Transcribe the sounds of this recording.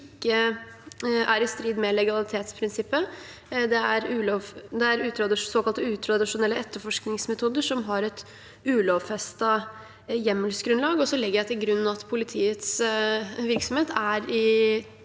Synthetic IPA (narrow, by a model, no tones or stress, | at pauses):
kːə | ʔæɾɪst̪ɾiːd̪mɛlɛɡɑlɪt̪ʰeːt̪spʰɾɪnsɪpːə | d̪ɛæɾʉːlɔʋd̪ɛæɾʉːt̪ʰɾɑd̪ɪsoːkɑlt̪əʉːt̪ʰɾɑd̪ɪʂʊnɛlːəɛt̪ːəɾfɔʂknɪŋsmɛt̪ʰuːd̪əʂɔmɦɑɾɛt̪ | ʉːlɔʋfɛst̪ɑ | jɛmːəlsɡɾʉnlɑːɡɔsɔlɪɡːəɖɛt̪ɪlɡɾʉnːɑt̪pʰʊlɪt̪ʰiːət̪s | ʋɪɾksɔmheːt̪æɾɪ